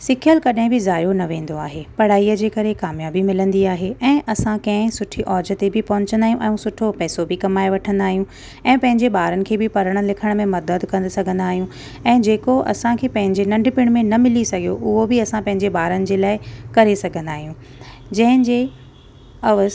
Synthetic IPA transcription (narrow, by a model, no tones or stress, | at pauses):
sɪkʰijəlkɐɗɦɪ̃bɪzaːjonɐʋẽːnd̪oaːɦepɐɽ̤aːiəd͡ʑeːkɐɾekaːmjaːbimɪlə̃nd̪iaːɦeɛ̃ːʔɐsãkɐ̃ɦɪ̃sʊʈʰiʔɔːd͡ʑət̪ebɪpɐɦʊ̃ɲt͡ɕə̃nd̪aːijũʔɛ̃ːũsʊʈʰopɛːsobɪkɐmaːeʋɐʈʰə̃nd̪aːɦijũ | ɛ̃ːpɐ̃ɦɪ̃ɲd͡ʑeɓaːɾənɪ̆kʰeːbɪpɐɾəɽ̃əlɪkʰəɽ̃̆mẽmɐd̪əd̪kɐ̃nd̪sɐɡʱə̃nd̪aːɦijũ | ɛ̃ːd͡ʑeːkoʔɐ̰sãkʰeːpɐ̃ɦɪ̃ɲd͡ʑenɐ̃ɳɖpɪɽ̃mẽnɐmɪlisɐɡʱijoʔʊɦobɪɐsãpɐ̃ɦɪ̃ɲd͡ʑeɓaːɾənɪ̆d͡ʑeːlaːɪkɐɾesɐɡʱə̃nd̪aːɦijũː | d͡ʑɐ̃ɦɪ̃ɲd͡ʑeː | ɐʋəz